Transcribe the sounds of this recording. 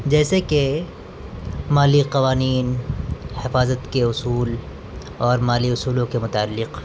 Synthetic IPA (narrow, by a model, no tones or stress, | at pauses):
d͡ʒɛːseke | maːliqɐʋaːniːnhɪfaːzət̪keʊsuːl | ɔːɾmaːliʊsuːlõkemʊt̪aːlːɪq